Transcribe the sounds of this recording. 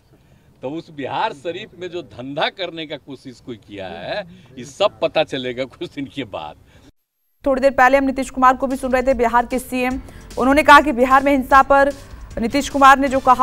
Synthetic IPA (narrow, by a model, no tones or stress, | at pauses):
t̪ɔʊsbɪɦaːɾsɐɾiːpmẽd͡ʒoːd̪ʱɐ̃nd̪ʱakɐɾnekakoːsɪʃkoikija̰ɦɛjesɐb̚pɐt̪at͡ʃɐleɡakʊt͡ʃʰd̪ɪnkeba̰ːt̪̚ | t̪ʰoːɽed̪eːɾpɛɦleɦɐmnɪt̪iːʃkʊmaːɾkobʱisʊnɾəɦet̪ʰebiɦaːɾkesiemʊnɦõnekɐɦak̬ibiɦaːɾmẽɦɪnsapɐɾnɪt̪iːʃkʊmaːɾned͡ʒoːkɐɦa